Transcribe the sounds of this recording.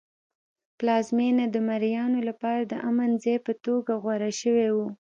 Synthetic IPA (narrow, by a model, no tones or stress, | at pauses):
plɑzmenad̪əmaɾjɑnolapɑɾad̪əʔamanzejpət̪oɡaɣwaɾaʃəwewu